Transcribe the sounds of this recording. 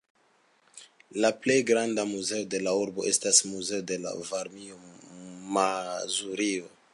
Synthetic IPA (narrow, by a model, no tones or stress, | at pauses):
laple̞jɡɾandamuze̞ode̞lauɾbo̞ʔe̞stasmuze̞ode̞la̰vaɾmiomazuɾio